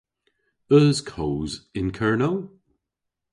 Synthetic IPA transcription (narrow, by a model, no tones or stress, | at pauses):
ɜːz̥kʰoːzɪ̃nkʰɜɹnəl